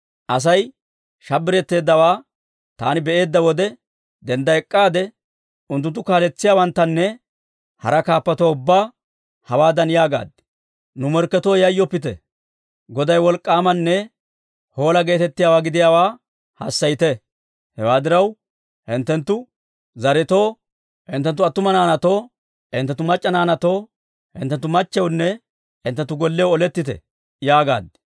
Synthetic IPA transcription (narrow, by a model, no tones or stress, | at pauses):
ʔɐs̬ɐj | ʃɐbːɪɾɛt̪ːe̞ːd̪ːɐwaː | t̪a̰ːnɪbɛʔe̞ːd̪ːɐwɔd̪ɛ | d̪ɛnd̪ɐɛkʼːaːd̪ɛ | ʊnt̪ːʊnt̪ːʊkaːlɛt͡sːɪjaːwɐnt̪ːɐnːɛ | hɐ̰ɾɐkaːpːɐt̪oʊbːaː | hɐwaːd̪ɐnjaːɡa̰ːd̪ | nʊmɔɾkːɛt̪oːjɐjːɔpːɪt̪ɛ̰ | ɡɔd̪ɐjwɔlkʼːaːmɐnːɛ | ho̞ːlɐɡe̞ːt̪ɛt̪ːɪjaːwaːɡɪd̪ɪjaːwaː | hɐ̰sːɐjt̪ɛ | hɛwaːd̪ɪɾɐw | hɪnt̪ːɛnt̪ːʊ | zɐɾɪt̪o̞ː | hɪnt̪ːɛnt̪ːʊɐt̪ːʊmɐnaːnɐt̪oː | ɪnt̪ɛt̪ːʊmɐt͡ʃʼːɐnaːnɐt̪o̞ː | hɪ̰nt̪ːɛnt̪ːʊmɐt͡ʃːɛwnːɛ | ɪnt̪ːɛnt̪ːʊɡɔlːɛwɔlɛt̪ːɪt̪ɛ̰ | jaːɡa̰ːd̪